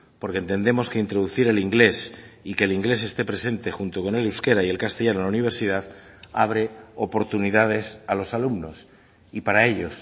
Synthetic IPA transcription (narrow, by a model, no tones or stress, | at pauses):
po̞ɾkent̪e̞nd̪e̞mo̞ske̞int̪ɾo̞ðuθiɾe̞liŋɡle̞sike̞ːliŋɡle̞se̞st̪e̞pɾe̞se̞nt̪e̞xunt̪o̞ko̞ne̞luske̞ɾaie̞lkast̪e̞ʝanolauniβ̞e̞ɾsið̞að | aβ̞ɾe̞opo̞ɾt̪unið̞að̞e̞salo̞salumno̞s | ipaɾae̞ʎo̞s